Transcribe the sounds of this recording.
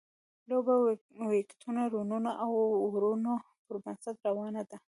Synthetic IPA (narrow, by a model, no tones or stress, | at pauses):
loba | wekt̪ʰunaɾununaʔawːɾuno | pəɾmasad̪ɾawɑnad̪a